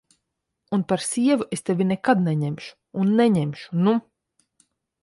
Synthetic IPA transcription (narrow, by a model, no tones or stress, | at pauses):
unpaɾsiɛvuest̪evʲinɛkad̪nɛɲɛmʃu̥ːnːɛɲɛmʃu̥nu